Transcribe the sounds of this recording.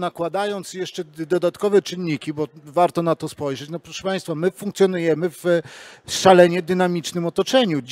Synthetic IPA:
nakwad̪ajɔnt̪sjɛʂt͡ʂɛd̪ɔd̪at̪kɔvɛt͡ʂɘnːikʲibɔvaɾt̪ɔnat̪ɔspɔjʐɛt͡ɕnɔpɾɔʂɛpaj̃st̪famɘfũŋkt̪sʲjɔnujɛmɘv | ʂalɛɲɛd̪ɘnamʲit͡ʂnɘmɔt̪ɔt͡ʂɛɲud͡ʑ

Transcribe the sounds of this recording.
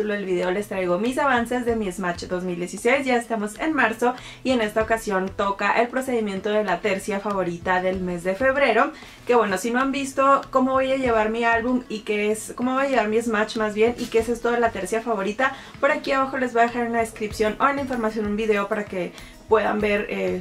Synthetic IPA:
t̪uloelβiðe̞o̞le̞st̪ɾajɣo̞misaβ̞anse̞zðe̞miezmat͡ʃd̪o̞zmild̪je̞sise̞jsʝae̞st̪amo̞se̞nmaɾso̞ | ie̞ne̞st̪ao̞kasjo̞nt̪o̞kaʔe̞lpɾo̞se̞ðimje̞nt̪o̞ðe̞lat̪e̞ɾsjafaβo̞ɾit̪aðe̞lme̞zðe̞fe̞βɾe̞ɾo̞ | ke̞βwe̞no̞sino̞ambist̪o̞ko̞mo̞βo̞jaʝe̞β̞aɾmialβumikeesko̞mo̞βojaje̞β̞aɾmiezmat͡ʃmazβje̞nikeese̞st̪oðelat̪eɾsjafaβo̞ɾit̪a | po̞ɾakiaβaxo̞le̞zβaðe̞xaɾunaðeskɾipsjo̞noenlaiɱfo̞ɾmasjo̞nũmbiðe̞o̞paɾake̞ | pwe̞ða̰mbe̞ɾe

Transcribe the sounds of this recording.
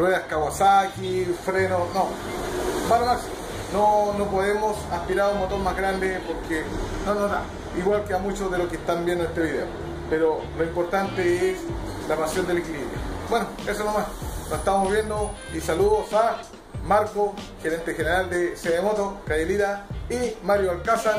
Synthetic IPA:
rweðaskawasakifɾenono | malomaksi | nonopoðemosaspiɾaɾumːot̪oɾmazɣɾand̪epoɾkʰenonoɦða̰ | iɣwalkeamut͡ʃozðelokest̪ambjend̪oet̪eβiðḛo̰ | peɾoloimpo̞ɾt̪ant̪ees | lapasjo̞nd̪elekilḭβɾjo̰bwenoesonomasnoseht̪amozβje̞nd̪o | isaluðosa | maɾko | xeɾe̞nt̪exeneɾald̪eseðemot̪okajeliɾaimaɾjoalkasa

